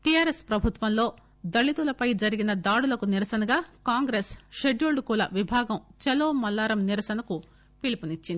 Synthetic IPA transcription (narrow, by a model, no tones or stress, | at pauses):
ʈijaːɾespɾɐbʱut̪ʋɐmlo̞ː | d̪ɐɭit̪ulɐpɐjd͡ʒɐɾiɡinɐd̪aːɽulɐkuniɾɐsɐnɐɡaːkaːŋɡɾeːsʃeɖuːɭɖkuːlɐʋibʱaːɡɐmt͡ʃɛloːmɐlːaːɾɐmniɾɐsɐnɐku | pilipunit͡ʃːind̪i